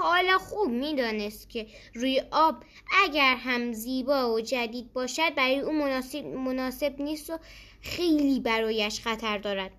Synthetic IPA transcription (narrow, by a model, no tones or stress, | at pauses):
ɒːlɑxuːbmiːd̪ɒːnest̪cʰe̞ɾuːjeʔɒːb | æɟæɾɦæmziːbɒːod͡ʒæd̪iːd̪̚bɒːʃæd̪̚bæɾɔːjeʔuːmonːsmonɒːse̞bniːst̪o | xejliːbæɾɔːjæʃxæt̪ʰæɾd̪ɒːɾæd̪̥̚